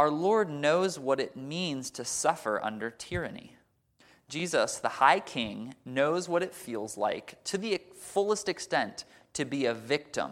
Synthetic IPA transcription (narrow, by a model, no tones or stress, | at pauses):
ʊə˞lɔɹdⁿnoʊzwʌɾɨt̚mĩnz̥tʰɨsʌfə̰˞ʔʌ̰̃ndə˞tʰɪɹɨnḭ | d̥ʒ̥izəsðəhaɪkʰɪ̃ŋnoʊzwʌɾɨtfilˠzla̰ɪktʰɨðifʊlˠəstɨkstɛ̃nt | tʰɨbiɨvɪk̚tə̰̃m